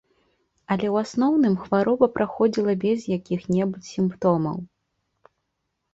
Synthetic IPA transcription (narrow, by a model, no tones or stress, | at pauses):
ɐlʲɛwasnɔwnɨmxvaɾɔbɐpɾʔaxɔd͡zʲilˠɐbʲɛzjakʲixnʲɛbut͡sʲsʲimpt̪ɔmɐ̰w